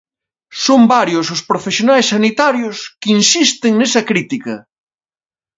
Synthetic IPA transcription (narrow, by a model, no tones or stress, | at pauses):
sombaɾjʊsʊspɾofesjonajsːanit̪aɾjʊskinsist̪ɪŋnesɐkɾit̪ikɐ